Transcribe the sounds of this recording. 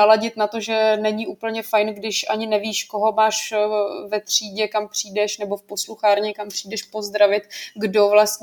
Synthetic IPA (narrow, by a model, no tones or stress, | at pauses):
alaɟɪt̪nat̪o̞ʒɛnɛɲɪʔuːpl̩ɲɛfajnɡdɪʃʔaɲɪnɛviːʃkoɦo̞maːʃvɛt̪r̥iːɟɛkampr̥iːdɛʃnɛbo̞fpo̞sluxaːɾɲɪkampr̥iːdɛʃpo̞zd̪ɾavɪt̪ɡdo̞vlast̪